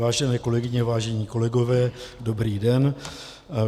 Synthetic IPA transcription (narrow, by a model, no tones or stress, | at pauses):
aːʒɛnɛːko̞lɛɡɪɲɛvaːʒɛɲiːko̞lɛɡo̞vɛːdo̞bɾiːdɛn